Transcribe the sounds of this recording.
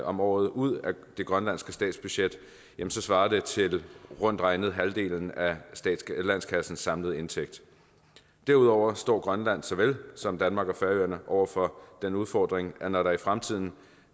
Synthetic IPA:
ʔɒ̽mɒ̰ːð̩ˠuð̰ˠæ | d̥e̝ɡ̥ʁɶnlæn̰sɡ̥əsd̥ɛ̰ːdsb̥yɕed̥ | jemn̩sɒ̽sʋɑ̈ːɐd̥e̝t͡sʰe̝lʁɔ̽n̰d̥ʁɑ̈ɪnəð̞̩ˠɦæld̥e̝̰ːln̩æsd̥ɛ̰ːd̥slæn̰skʰæsn̩sːɑ̈mləð̞̩ˠe̝nt͡sʰeɡ̥d̥ | d̥eɐuðˠɒʊ̰ɐsd̥ɒ̰ːɡ̥ʁɶnlæn̰sɒ̽ʋelsɒ̽md̥ænmɑ̈ɡ̥æfæɐøɐnəʔɒʊɐfɒ̽d̥enuð̞ˠfɒ̰ːd̥ʁeŋænɒɾɑ̈ifʁamt͡sʰið̞̰ˠn̩

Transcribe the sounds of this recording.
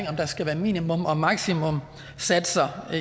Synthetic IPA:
ŋ̰ɒ̽md̥ɑ̈sɡ̥æʋæːɐmḭːnimɔ̽mɒ̽mɑ̈ɡ̥simɔ̽m | sæd̥sɐ

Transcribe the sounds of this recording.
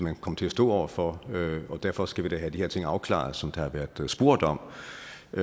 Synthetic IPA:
mænkʰɒ̽m̰t͡sʰe̝æsd̥ɔ̰ːɒʊ̰ɐfɒøɒ̽d̥æɐfɒ̽sɡ̥æʋid̥ɑɦæd̥iheɐt͡sʰe̝ŋɑ̈ʊkʰlɑ̰̈ð̩ˠsɒ̽md̥ɑ̈ɑ̈ʋæɐd̥ˠsb̥o̝ɐ̰d̥ɒ̽m̰

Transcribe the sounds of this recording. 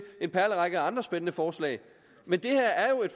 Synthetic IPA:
e̝npʰæɐləʁɑ̈ɡ̥əɑ̈nd̥ʁɐsb̥enənəfɒːslɛ̰ɪ | mend̥e̝hæɐ̰æɐjo̝e̝d̥f

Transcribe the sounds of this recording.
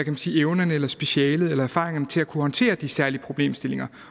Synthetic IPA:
ækʰæmænsḭːeʊnɐnəelɐsb̥e̝ɕɛːləð̞̩ˠelɐæɐfɑ̰̈ːʁeŋɐnət͡sʰe̝lækʰuhɒ̽nt͡sʰe̝̰ːɐd̥isæɐliəpʰʁo̝b̥le̝̰ːmsd̥e̝le̝ŋɐ

